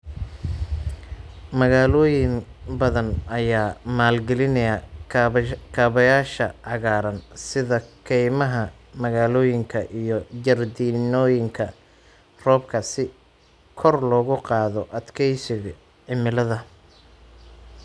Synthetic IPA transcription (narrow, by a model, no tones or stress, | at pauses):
mɐɣaːlɔːjɪŋbɐðɐnɐjaːmaːlɡɛlɪnɐjɐ | kʰaːβɐjaːʃɐʕɑɣaːɾɐnsɪðɐkʰɛjmɐɦɐ | mɐɣaːlɔːjɪŋkʰɐʔijɔd͡ʒɐrd̪inɔːjɪŋkʰɐ | rɔːbkʰɐsɪ | kʰɔrlɔːɣʊqɑːðɔʔɐd̪kʰɛjsɪɣ | ʕɪmɪlɐðɐ